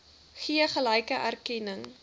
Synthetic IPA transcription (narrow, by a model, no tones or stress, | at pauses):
χiəχəlɐjkəʔærkɛnəŋ